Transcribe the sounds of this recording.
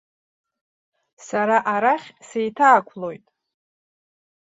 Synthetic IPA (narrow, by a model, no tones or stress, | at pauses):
saɾaʔaɾaχʲsejtʰaːkʷʰlo̞jtʼ